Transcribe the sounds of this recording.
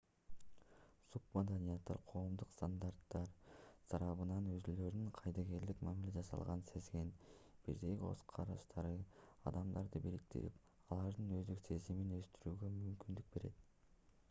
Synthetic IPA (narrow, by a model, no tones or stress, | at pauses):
sup̚mad̪anʲijat̪ːɑ̰ɾqʰo̞ːmd̪uqst̪and̪art̪ːɑɾsɑɾɑβɯnɑnøzylø̞ɾd̪yɴqʰɑjd̪ɑɡe̞ɾd̪ikmamilʲe̞d͡ʒɑsɑ̰lˠʁɑnnse̞zɡe̞nb̥ḭɾd̪e̞ɡʲio̞̰sqʰɑɾɑʃt̪ʰɑɾɯɑ̰d̪ɑmd̪ɑɾd̪ɯbiɾik̚t̪ḭḭp | ɑlˠɑɾd̪ɯnø̞zd̪ekse̞ziminø̞st̪yɾyːɡø̞mymkynd̪yk̚be̞ɾe̞̰t̪